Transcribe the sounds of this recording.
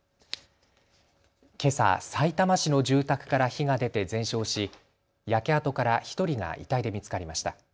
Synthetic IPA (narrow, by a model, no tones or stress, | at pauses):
ke̞sa̰sait̪amaɕino̞ʑɨːt̪akɯ̟̥kaɾaçiɡad̪e̞t̪e̞zẽ̞ɰ̃ɕo̞ːɕi | jake̞at̪o̞kaɾaçi̥t̪o̞ɾʲiŋa̰ʔḭt̪aid̪e̞mʲit͡sɨ̥kaɾʲimaɕi̥t̪a